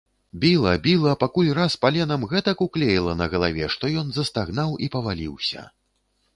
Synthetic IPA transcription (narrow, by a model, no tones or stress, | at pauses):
bʲilˠɐbʲilˠɐpakulʲraspalʲɛnɐmɣɛt̪ɐkuklʲejilˠɐnɐɣɐlˠa̰vʲɛʂt̪ɔjɔnzɐst̪aɣnawʔipɐvalʲiwsʲɐ̰